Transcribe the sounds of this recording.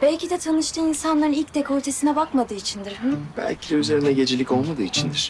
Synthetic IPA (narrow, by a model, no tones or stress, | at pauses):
b̥ælʲcid̪ɛt̪ʰanɯʃt̪ʰɯːinsanlˠaɾɯnilʲcd̪ekʰo̞ɾt̪ʰe̞sinɛbakmad̪ɯːit͡ʃʰind̪iɾhbæ̰lʲcʰid̪ɛyze̞ɾinɛɟe̞d͡ʒelʲico̞lˠmad̪ɯːit͡ʃʰind̪iɾ̥